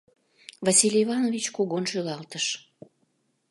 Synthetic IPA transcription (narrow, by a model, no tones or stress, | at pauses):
vɑsʲilʲivɑnovʲit͡ɕkoɣonʃylɑlt̪əʃ